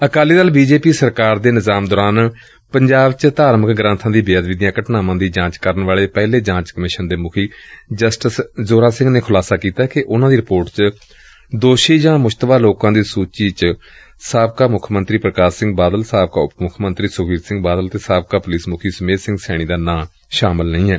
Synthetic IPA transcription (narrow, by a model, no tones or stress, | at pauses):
əkaːliːd̪aːlbiːd͡ʒeːpiːsəɾkaːɾd̪eːnɪzaːmd̪ɔːɾaːn | pəɲd͡ʒaːbt͡ʃt̪aːɾməkɡɾãnt̪ʰãːd̪iːbeaːd̪ʋɪd̪ijãːkəʈnaːmãːd̪iːd͡ʒãːt͡ʃkəɾənʋaːɭeːpɛːleːd͡ʒãːt͡ʃkəmɪʃənd̪eːmʊkʰiːd͡ʒəsʈəszoːɾaːsɪ̃ŋɡneːkʰʊlaːsaːkiːt̪aːkɪʔʊnãːd̪iːɾɪpoːɾʈt͡ʃ | d̪oːʃiːd͡ʒãːmʊd͡ʒt̪ʋaːloːkãːd̪iːsuːt͡ʃiːt͡ʃ | saːbkaːmʊkʰmənt̪ɾiːpɾəkaːsɪ̃ŋɡbaːd̪əlsaːb̚kaːʊpmʊkʰmənt̪ɾiːsʊɡiːɾsɪ̃ŋɡbaːd̪əlt̪eːsaːb̚kaːpʊliːsmʊkʰiːsəmeːsɪ̃ŋɡsɛːɽ̃iːd̪aːnãː | ʃaːməlnəĩːɦɛː